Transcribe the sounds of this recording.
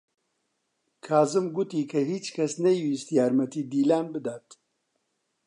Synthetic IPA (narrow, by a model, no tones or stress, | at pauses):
kʰaːzɨmɡut̪iːkʰɐɦiːt͡ʃkʰɐsnɛjwiːst̪jaːɾmɐt̪iːd̪iːlaːnbɨd̪aːt̪